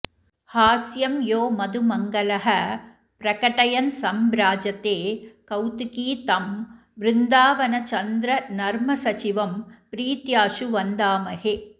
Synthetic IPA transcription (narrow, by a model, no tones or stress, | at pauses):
haːsjɐmjoːmɐd̪ɯmɐŋɡɐlɐɦɐ | pɾɐkɐʈɐjɐnsɐmbɾaːd͡ʒɐt̪ːeːkɐwt̪ɯkiːt̪ɐm | ʋɾɪnd̪aːʋɐnɐt͡ʃɐnd̪ɾɐnɐɾmɐsɐt͡ʃɪʋɐmpɾiːt̪jaːʂuʋɐnd̪aːmɐheː